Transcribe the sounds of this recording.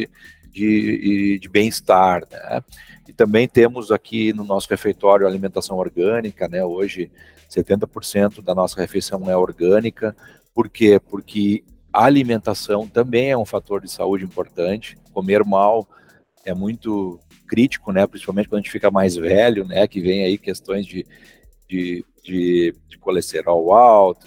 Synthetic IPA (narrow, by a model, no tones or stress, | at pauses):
d͡ʒɪd͡ʒɪbẽj̃ɪst̪aɾnɛ̰ɪt̪ɐ̃mbẽj̃t̪ẽmʊzakʰinʊnɔsʊhefejt̪ɔɾjʊɐalimẽnt̪asɐ̃w̃oɾɡɐ̃nikɐnɛoʒɪ | set̪ẽnt̪ɐpoɾsẽnt̪ʊd̪ɐnɔsɐhefejsɐ̃w̃ɛoɾɡɐ̃nikɐ | poɾkepoɾkʰɪ | aalimẽnt̪asɐ̃w̃t̪ɐ̃mbẽj̃ɛũfat̪oɾd͡ʒɪsa̰ud͡ʒɪĩmpoɾt̪ɐ̃nt͡ʃɪ̥komeɾmaw | ɛmũj̃t̪ʊ | kɾit͡ʃi̥kʊnɛpɾĩsi̥pawmẽtt͡ʃɪkɐ̃d̪ʒẽt͡ʃɪ̥fikɐmajzvɛlʊnɛkɪvẽj̃aikest̪õj̃zd͡ʒɪ | d͡ʒɪ | d͡ʒɪd͡ʒɪkolest̪eɾaʊawt̪ʊ̥